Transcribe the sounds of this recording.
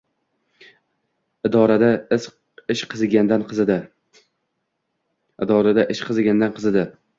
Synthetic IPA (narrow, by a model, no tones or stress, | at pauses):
ɪd̪ɒɾad̪aɪz | ɪʃqʰɨzɡʲand̪anqʰɨzɪd̪ɪ | ɪd̪ɒɾad̪aʔɪʃqʰɨzɡʲand̪anqʰɨzɪd̪ɪ